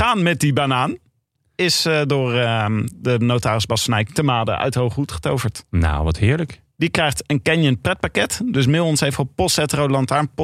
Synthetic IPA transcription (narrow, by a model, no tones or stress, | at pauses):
χaːnmɛt̚dibanaːn | ɪsdʊːɹədənowtaːɾɪzbɑsənɛjtəmaːdə̰ʔœ̰ɥthowχrutχə̥towvəɹtna̰wʋɑ̰tɦɪːɹlək | d̥ikrɛjχtənkɛnjənprɛt̚pakɛtdɵs̬mɪlˠɔnshejftɔpɔstɛtrodlɑntaːɹnp